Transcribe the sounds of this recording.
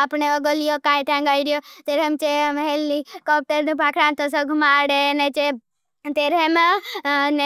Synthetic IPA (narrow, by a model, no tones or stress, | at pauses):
apɳeɔɡɔlijokãjt̪ãŋɡaiɾjot̪eɾemt͡ʃemɦelːikɔp̚ʈəɾnũpakʰɽãnt̪ɔs̬ɔɡʱumaɽenet͡ʃe | t̪eɾem | ne